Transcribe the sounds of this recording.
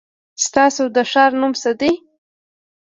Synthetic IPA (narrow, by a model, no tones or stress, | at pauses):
st̪ɑsod̪əʂɑɾnumsad̪i